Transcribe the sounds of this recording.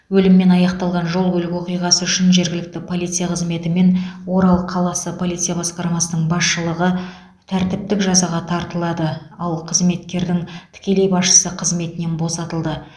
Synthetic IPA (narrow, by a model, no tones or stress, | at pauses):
wɵlɪmːe̞nɑjɑqt̪ɑlˠʁɑnʒo̞lˠɡɵlɪkwo̞qijʁɑsəʏʃɪnʒe̞ɾɡʲɪlɪk̚t̪ɪpʰo̞lˠijt̪sijaqʰəzme̞t̪ɪme̞nwo̞ɾɑlˠəqʰɑlˠɑsəpʰo̞lˠit̪sɨjabɑsqɑɾmɑsənəɴbɑsʃəlˠəʁə | t̪ʰæɾt̪ɪp̚t̪ɪkʒɑzɑʁɑt̪ʰɑɾt̪əlˠɑd̪əɑlˠqʰəzme̞t̪kʲe̞ɾd̪ɪŋt̪ʰɪ̥kʲe̞le̞jbɑsʃə̥səqʰəzme̞t̪ɪne̞nbo̞sɑt̪əlˠd̪ə